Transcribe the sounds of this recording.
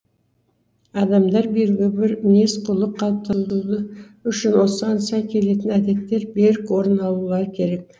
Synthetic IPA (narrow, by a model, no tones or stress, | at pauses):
ɑd̪ɑmd̪ɑɾbeɾɪɡʲɪbɪɾne̞sqʰʊlˠəqʰːɑlˠp̚t̪ʰɑlˠud̪ə | ʏʃɪnwo̞səɑnsɑkʲʰe̞le̞t̪ɪnæd̪e̞t̪ːe̞ɾbe̞ɾɪkwo̞ɾənɑlˠulˠɑɾkʲʰe̞ɾe̞k̚